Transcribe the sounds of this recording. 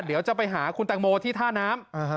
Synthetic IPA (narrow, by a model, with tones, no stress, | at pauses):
d̪i˩˦wt͡ɕa˨˩pa˧jɦaː˩˦kʰu˧nt̪a˧ŋ̚moː˧t̪ʰiː˥˩t̪ʰaː˥˩naː˦˥m